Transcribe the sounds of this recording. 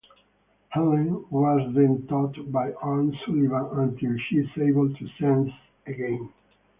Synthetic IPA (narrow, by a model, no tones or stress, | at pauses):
hɛlə̃nwɔzðɛ̃nt̪ɔt̪bajʔɑɹnsulivãə̃nt̪ilʃizeɪbəlt̪ʰusɛ̃ns | əɡɛ̃n